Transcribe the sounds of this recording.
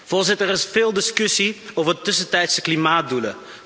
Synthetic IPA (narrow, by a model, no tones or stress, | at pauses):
v̥ɔlˠzɪtərɪsfɪːlˠdɪskɵsiowvəɹdətɵsəntɛjtsəklimaːt̚dulə̰